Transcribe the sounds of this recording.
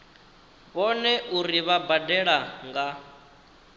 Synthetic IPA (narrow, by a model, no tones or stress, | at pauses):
βɔnɛʔuɾiβabadɛɺaŋɡa